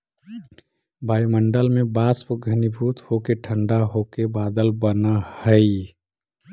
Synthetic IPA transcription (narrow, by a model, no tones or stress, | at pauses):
bajməɳɖəlmebaspəɡʱənibʱut̪hokeʈʰəɳɖaɦokebad̪əlbənəhəɪ